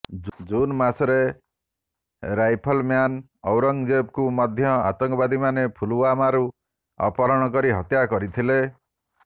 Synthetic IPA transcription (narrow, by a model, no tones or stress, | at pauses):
d͡ʒunmasɔɾe | ɾajpʰɔlmjan | ɔwɾɔŋd͡ʒeb̚kumɔd̪ʱjɔa̰t̪ɔŋkɔbad̪imanepʰuluamaɾu | ɔ̰pɔɾɔɽ̃ɔk̬ɔɾiɦɔt̪jakɔɾit̪ʰile